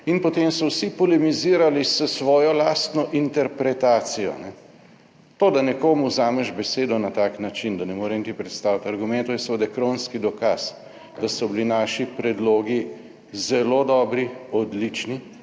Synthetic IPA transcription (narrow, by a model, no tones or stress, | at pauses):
inpɔt̪emsɔwsipɔlɛmiziːɾalisəsʋɔːjɔlast̪nɔʔint̪ɛɾpɾɛt̪aːt̪sijɔ̰nɛ | t̪oːd̪anɛkoːmuzaːmɛʒbɛseːd̪ɔnat̪aːknat͡ʃind̪ɐnɛmoːɾɛnit̪ipɾɛt̪st̪aːwt̪aɾɡumɛ̃nt̪oinsʋəd̪ɛkɾonskid̪ɔkas | d̪̥asɔbilinaːʃipɾɛd̪loːɡi | zɛlod̪ɔːbɾiɔd̪lit͡ʃni